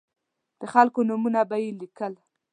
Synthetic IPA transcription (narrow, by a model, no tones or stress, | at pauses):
d̪̥əxalkonumunabajelikəl